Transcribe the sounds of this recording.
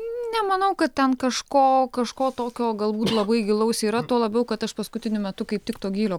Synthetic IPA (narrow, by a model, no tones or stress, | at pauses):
nʲɛmɐnɐʊkɐt̪t̪ʲɛnkɐʃkoːkɐʃkoːt̪oːkʲoːɡɐlˠbuːt̪lˠɐbɐɪɡʲɪlˠɐʊsʲiːɾɐt̪oːlˠɐbʲɛʊkɐt̪ɐʃpɐskʊt̪ʲɪnʲʊmʲɛt̪ʊkɐɪp̚tʲɪkt̪oːɡʲiːlʲoː